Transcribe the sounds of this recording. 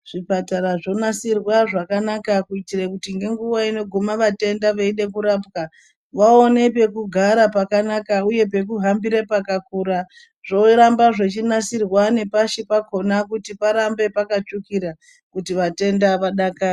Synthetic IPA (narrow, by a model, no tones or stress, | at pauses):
ʐ̥ipataɾaʐo̞nasirwaʐakanakakuitirekutiŋɡe̞ŋɡuwaino̞ɡʱomaʋate̞ndaʋaiɗe̞kuɾapka | ʋaone̞pe̞kuɡʱaɾapakanakauje̞pe̞k̬uɦambiɾepakakuɾa | ʐ̥o̞ɾambaʐet͡ʃinasirwane̞paʃipako̞nakutipaɾambe̞pakat͡ʂukiɾa | kutiʋate̞ndaʋaɗaka